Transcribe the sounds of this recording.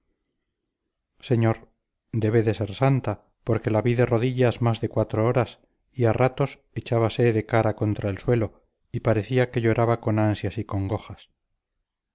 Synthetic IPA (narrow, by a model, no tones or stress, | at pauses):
se̞ɲo̞ɾ | d̪e̞βeðe̞se̞ɾsant̪a | po̞ɾke̞laβiðe̞ro̞ðiʎazmazðe̞kwat̪ɾo̞oɾas | iarat̪o̞s | e̞t͡ʃaβase̞ðe̞kaɾako̞nt̪ɾaelswe̞lo̞ | ipaɾe̞θiake̞ʎo̞ɾaβako̞nansjasiko̞ŋɡo̞xas